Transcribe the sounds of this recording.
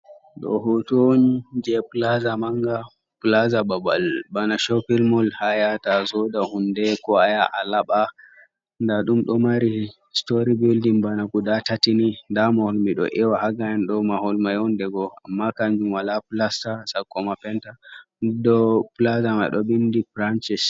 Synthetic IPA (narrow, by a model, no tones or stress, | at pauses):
ɗɔ̰ɦotond͡ʒɛplazamaŋɡa | plazababa̰lbanaʃɔpilmɔlhajatazɔdahundɛkɔajaʔalaɓa | ndaɗumɗɔmaɾi | stoɾibildimbanakuɗatatinindamahɔlmiɗɔ̰ʔɛwahaɡajɛnɗɔmahɔlmajɔndɛɡɔa̰mːakaɲd͡ʒumwalapulastasakːɔmapɛnta | dɔpulazama̰ɗɔbindifɾant͡ʃɛs